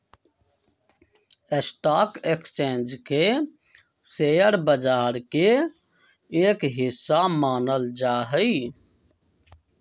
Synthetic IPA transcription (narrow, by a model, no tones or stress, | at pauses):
esʈaːkekst͡ʃẽːnd͡ʒke | seːjəɾbəd͡ʒaːɾke | eːkɦɪsːamaːnəld͡ʒaːɦəi